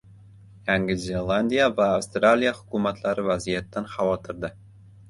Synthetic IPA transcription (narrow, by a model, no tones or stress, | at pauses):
jaŋɡɪzʲelˠanʲd̪ʲijavaːwst̪ɾalʲijahʊ̥kʰumat̪laɾɪvazijat̪ːanχɑvɒt̪ʰɪɾd̪ɪ